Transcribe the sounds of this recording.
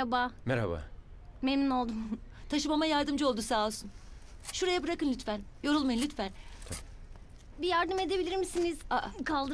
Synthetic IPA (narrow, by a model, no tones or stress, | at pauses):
abaːmɛɾa̰ba̰memnino̞lˠd̪um | t̪ʰaʃɯmamajaɾd̪ɯmd͡ʒɯo̞lˠd̪usaːlˠsun | ʃuɾajabɯɾakɯnʲyt̪fænjo̞ɾulˠmajɯnlʲyt̪fænt̪ʰ | bijaɾd̪ɯme̞d̪e̞bilʲiɾmisiniz̥akʰalˠd̪ɯ